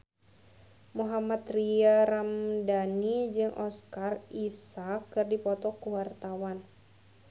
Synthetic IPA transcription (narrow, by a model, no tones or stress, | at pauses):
muɦamat̪riaɾamdanid͡ʒɨŋʔɔskarisakːɨrdipɔt̪ɔkuwart̪awan